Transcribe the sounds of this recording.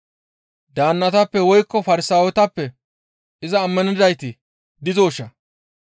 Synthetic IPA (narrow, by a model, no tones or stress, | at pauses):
d̪aːnːɐt̪ɐpːɛwɔjkːɔfɐɾɪsaːwɛt̪ɐpːɛ | ʔɪzɐːmːɐnɪd̪ɐjt̪ɪ | d̪ɪzoːʃːɐ